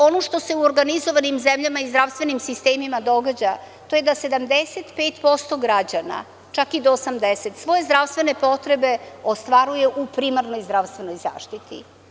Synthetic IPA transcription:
o̞noʃt̪o̞se̞uoɾɡanizo̞ʋanimzemʎamaizd̪ɾaʋst̪vʋe̞nimsist̪eːmimad̪o̞ɡad͡ʑa | t̪o̞jed̪ase̞d̪amd̪eset̪peːt̪po̞st̪o̞ɡɾad͡ʑana̰ | t͡ʃakid̪oːsamd̪eset̪sʋo̞je̞zd̪ɾaʋst̪ʋe̞ne̞po̞t̪ɾe̞be̞ost̪ʋaɾuje̞ʔupɾimaɾno̞jzd̪ɾaʋst̪ve̞no̞jza̰ːʃt̪it̪ḭ

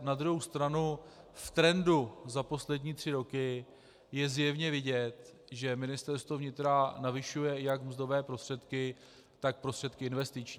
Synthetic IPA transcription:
nad̪ɾuɦowst̪ɾanuft̪ɾɛnduzapo̞slɛdɲiːt̪r̝̥ɪɾo̞kɪ | jɛzjɛvɲɛvɪɟɛt̪ | ʒɛmɪnɪst̪ɛɾst̪vovɲɪt̪ɾanavɪʃujɛjakmzdo̞vɛːpɾost̪r̥ɛt̪kɪ | t̪ak̚pɾo̞st̪r̥ɛt̪kɪɪnvɛst̪ɪt͡ʃɲiː

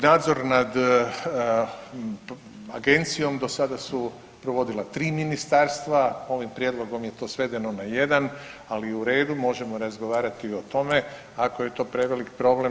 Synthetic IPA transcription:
naːd̪zo̞ɾnad̪ | a̰ɡe̞nt̪sijo̞md̪o̞sad̪asu | pɾoʋo̞d̪ilat̪ɾiːminist̪aɾst̪ʋao̞ʋimpɾijed̪lo̞ɡo̞mje̞t̪o̞ːsʋe̞d̪e̞no̞naje̞d̪analiuɾe̞ːd̪umo̞ʒe̞mo̞ɾazɡo̞ʋaːɾat̪io̞t̪o̞me̞ | akoje̞t̪o̞ːpɾe̞ʋe̞likpɾo̞ble̞m

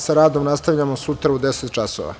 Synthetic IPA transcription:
saɾaːd̪omnast̪avʎamosut̪ɾaud̪eset̪̚t͡ʃaso̰ʋa̰

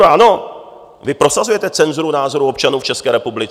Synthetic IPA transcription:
ʔano̞ | vɪpɾo̞sazujɛt̪ɛt͡sɛnzuɾunaːzo̞ɾuo̞pt͡ʃanuːft͡ʃɛskɛːɾɛpublɪt͡s

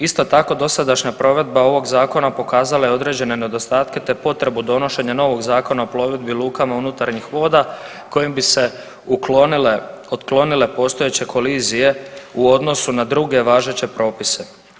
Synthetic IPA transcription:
ist̪o̞t̪ako̞d̪o̞sad̪aʃɲapɾo̞ʋe̞d̪̚bao̞ʋo̞ɡzaːko̞napo̞kaːzalajeo̞d̪ɾe̞ːd͡ʑe̞ne̞ne̞d̪o̞st̪aːt̪ke̞t̪e̞po̞t̪ɾe̞bud̪o̞no̞ʃe̞ɲano̞ʋo̞ɡzaːko̞naopɾo̞ʋe̞d̪̚biluːkamaunut̪aɾɲixʋo̞ːd̪a | ko̞jimbise̞ | ul | ot̪klo̞nile̞po̞ːst̪o̞jet͡ɕe̞kʰo̞liːzije̞uo̞d̪no̞sunad̪ɾuɡe̞ʋaːʒe̞t͡ɕe̞pɾo̞ːpise̞

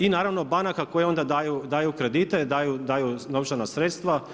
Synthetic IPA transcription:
inaːɾaʋnobanakako̞jeo̞nd̪ad̪aːjud̪aːjukɾe̞d̪iːt̪e̞d̪aːjud̪aːjunoʋt͡ʃanasɾeːt̪st̪ʋa

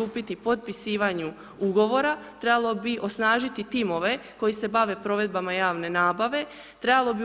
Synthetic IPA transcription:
uːpit̪ipo̞d̪̚pisiːʋaɲu | uɡo̞ʋo̞ɾat̪ɾebalˠo̞biʔo̞snaːʒit̪it̪imo̞ʋe̞ko̞jise̞baʋe̞pɾo̞ʋe̞d̪̚bamajaːʋne̞naːbaʋe̞ | t̪ɾebalˠo̞bi

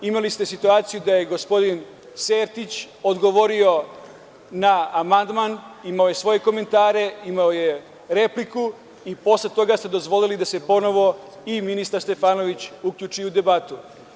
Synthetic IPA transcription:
imalist̪e̞sit̪uaːt̪sijud̪aje̞ɡo̞spo̞d̪in | seːɾt̪it͡ɕ | od̪ɡo̞ʋo̞ɾio̞ | naamand̪manimaoje̞sʋo̞je̞ko̞me̞nt̪aːɾe̞imaoje̞ | ɾe̞pliku | ipo̞slet̪o̞ɡast̪e̞d̪o̞zʋo̞lilid̪ase̞po̞no̞ʋo̞ | iminist̪aɾst̪e̞faːno̞ʋit͡ɕukʎʲut͡ʂujeud̪e̞bat̪u

